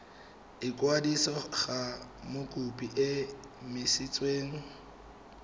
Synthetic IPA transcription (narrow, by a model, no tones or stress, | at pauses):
ɪkʼwadisɔɣamʊkʼupʼiʔɪ | mɪsɪt͡sʼweːŋ̩